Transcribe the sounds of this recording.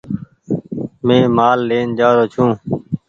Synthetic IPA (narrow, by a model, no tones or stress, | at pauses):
mẽːmaːlːeːnd͡ʒaːɾoːt͡ʃʰũː